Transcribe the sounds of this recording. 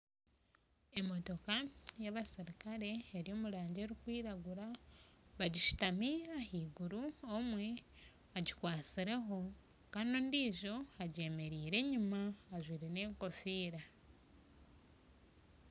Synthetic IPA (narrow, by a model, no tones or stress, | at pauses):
emo̞to̞kajaβasiɾikaɾe̞ːɾjo̞ːmuɾaːɲɟe̞ːɾikwiːɾaɡuɾaβaɟiʃi̥tamiːɾahiɡuɾuomwe̞ | aɟikwaːt͡siɾe̞ɦo̞ | kanoːndiːʒo̞aɟe̞ːme̞ɾiːɾe̞ɲumaːʒwiːɾene̞ːko̞fiːɾa